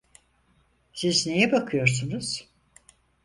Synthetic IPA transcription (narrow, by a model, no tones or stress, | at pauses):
sizne̞jɛbakʰɯjo̞ɾsunuz̥